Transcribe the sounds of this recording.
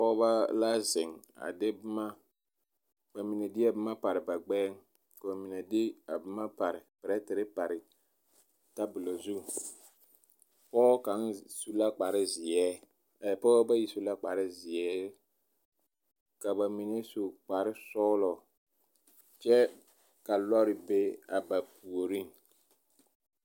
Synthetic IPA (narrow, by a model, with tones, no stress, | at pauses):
pɔː˦ba˦la˦zɪ˨ŋ | a̰˨dɪ˦bɪ˦ma˦ | ba˨mi˨ne˨dɪ˦ɛ˦bɪ˦ma˦pa˨ɾɪ˨ba˨ɡ͡bɛː˦ŋ˦ | ka˨ba˨mi˨na˨dɪ˦a˨bɪ˦ma˦pa˨ɾɪ˨pɛ˨ɾɛ˦tɪ˨ɾɪ˦pa˨ɾɪ˨ | ta˦bʊ˨lo˨zu˦ | pɔː˦ka˨˦nsu˦la˦k͡pa˨ɾɪ˦zɪ˨ɛ˦˨ | pɔː˦ba˦ji˨su˦la˦k͡pa˨ɾɪ˦zɪ˨ɛː˦ | ka˨ba˨mi˨ne˦su˨k͡pa˨ɾɪ˦sɔ˦lɔ˨ | t͡ʃɛ˦ | ka˨lɔ˦ɾɪ˨be˦a˨ba˨pu˨o˨ɾi˦ŋ